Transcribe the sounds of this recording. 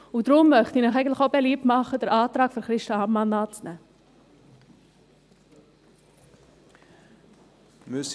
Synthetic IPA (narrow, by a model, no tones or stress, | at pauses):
udɾʊmːœχtiːnaχɛɪən̩tlɪχobɛliːp̚tmɑχəd̥əɾʔɑːtɾɑːkfɔɾχɾɪʃtɑɑmːɑnɑːt͡snɛ | mʏs